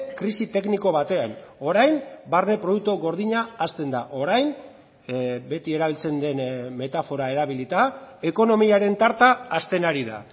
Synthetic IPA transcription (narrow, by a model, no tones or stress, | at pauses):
kɾisit̪e̞kniko̞βat̪e̞ano̞ɾajmbarne̞pɾo̞ðuk̚t̪oɣo̞ɾðiɲaːst̪e̞nd̪aʔo̞ɾajn | be̞t̪ie̞ɾaβ̞ilt͡se̞nd̪e̞nme̞t̪afo̞ɾae̞ɾaβilit̪ae̞ko̞no̞miaɾe̞nt̪aɾt̪aːst̪e̞naɾiða̰